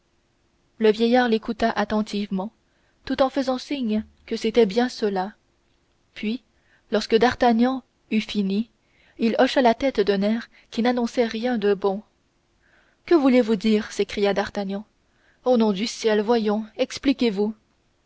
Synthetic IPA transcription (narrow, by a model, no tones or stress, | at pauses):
ləvjɛjaːʁlekut̪aʔat̪ɑ̃t̪ʰivmɑ̃ | t̪ut̪ɑ̃fəzɑ̃siɲ | kəset̪ɛbjɛ̃səla | pʰɥi | lɔʁskəd̪aʁt̪aɲɑ̃ | yfini | ilɔʃalat̪ɛt̪d̪ɛ̃nɛʁ | kʲinanɔ̃sɛʁjɛ̃d̪əbɔ̃ | kəvulevud̪iːʁsekχijad̪aʁt̪aɲɑ̃ | onɔ̃d̪ysjɛlvwajɔ̃ɛksplikʲevu